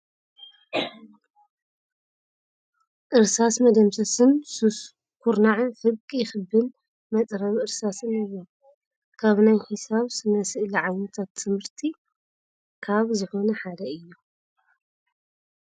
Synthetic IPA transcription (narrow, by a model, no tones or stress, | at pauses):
ʔɨɾsasmɐd̪ɐmsɐsɨnsus | kʰuɾnaʕħɨβkʼijɪxɨbːɨn | mɐt̪ʼɾɐβʔɨɾsasɨnaβo | kʰaβnajħɨsaβsɨnɐsɨʔliʕajnɐt̪ʰat̪ʰːɨmhɨɾt̪ʰi | kʰaβzɨħo̞nɐħad̪ɐɨjːo